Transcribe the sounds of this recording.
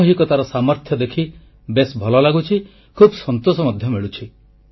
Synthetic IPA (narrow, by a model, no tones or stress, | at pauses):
ɦikɔt̪aɾɔsamɔɾt̪ʰjɔd̪ekʰi | besbʱɔlɔlaɡut͡ʃʰi | kʰubsɔnt̪osɔmɔd̪ʱjɔmeɭut͡ʃʰi